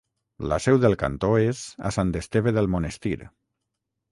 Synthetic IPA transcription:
la̰sɛwðelˠka̰nt̪oeza̰sant̪est̪eβeðelˠmonest̪iɾ

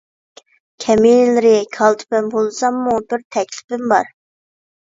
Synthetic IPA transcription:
kʲʰɛmilɪɾɪkʰɑlˠt̪ʰɪ̥pɪmbolˠsɑmːubɪɾt̪ʰɛkʲlɪ̥pɪmbɑ̰ɾ

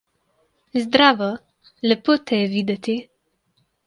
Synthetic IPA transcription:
zd̪ɾaːʋɔ | lɛpot̪ɛvid̪ɛt̪i

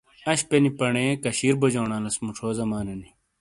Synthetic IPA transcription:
ɐɕpenipɐɳeːkɐɕiːɾbod͡ʑoːɳaːlɐsmuʈ͡ʂʰoːzɐmaːnɐni

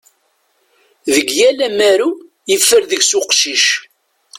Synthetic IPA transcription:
ðəɡjælæmæɾu | jəfːəɾðəɡsʊqʃiʃ

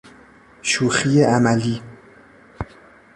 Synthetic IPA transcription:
ʃuːxiːjeʔæmæliː

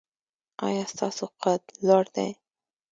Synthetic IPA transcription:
ɑ̰jɑst̪ɑsoqat̪lɑɾd̪a̰j

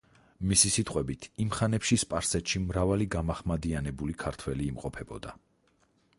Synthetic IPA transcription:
misisit̪ʼqʼwɛbit̪ʰimχanɛpʃispʼaɾsɛt̪ʃimɾavaliɡamaχmad̪ianɛbulikʰaɾt̪ʰwɛliːmqʼɔpʰɛbɔ̰d̪a

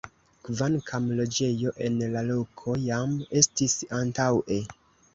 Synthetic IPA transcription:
kvankʰamlo̞d͡ʒe̞jo̞ʔe̞nlalo̞kʰo̞jame̞stisantawʔe̞

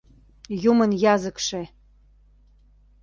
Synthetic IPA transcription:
jumənjɑzəkʃe

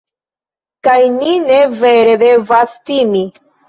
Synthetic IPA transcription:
kajnineveɾed̪evast̪imi

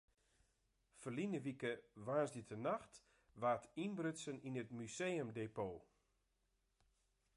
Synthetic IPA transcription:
fərlinəʋikəʋaːsdətʰənaxt | ʋaːtʰinbrøtsəninətmyseːəmdeːpoː

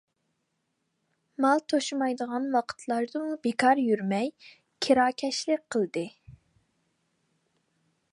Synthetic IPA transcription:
mɑlˠt̪ʰoʃumɑjd̪əʁɑnwɑqʰə̥t̪ʰlˠɑɾd̪ɨmubekʰɑɾjyɾmɛj | kʲʰiɾɑːkʲʰɛʃlɪk̚ʲqʰəlˠd̪ɨ

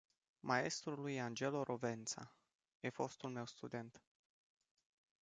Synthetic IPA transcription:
mae̞st̪ɾulujand͡ʒe̞lo̞ɾʔove̞nt̪sa̰ | jefo̞st̪ulme̞wst̪ud̪e̞nt̪

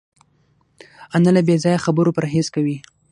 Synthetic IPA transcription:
analabezɑjaxabəɾopɾaɦezkawi

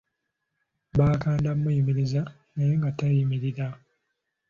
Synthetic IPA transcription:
baːkaːndamːujimiɾiza | najoŋɡatajimiɾiɾa

